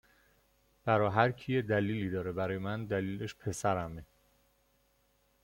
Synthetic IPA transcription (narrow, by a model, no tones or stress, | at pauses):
b̥æɾɒːɦæɾcʰijed̪æliːliːd̪ɒːɾebæɾɒːjemænd̪æliːleʃpʰe̞sæɾæme